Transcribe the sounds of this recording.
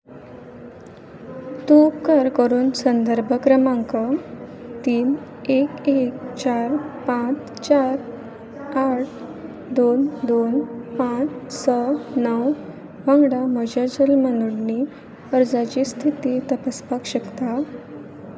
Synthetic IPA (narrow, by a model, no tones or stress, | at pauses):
t̪upkəɾkəɾuːnsənd̪əɾbʱəkɾəmaŋkə | t̪iːnekek̚t͡ɕaɾpãt͡s | t͡ɕaɾ | aʈ̚ʰ | d̪ond̪onpãt͡ssənəw | ʋãŋɡɽaməd͡ʑad͡ʑəlmənuɽni | əɾd͡zat͡ɕist̪ʰit̪iːt̪əpəspakɕəkt̪a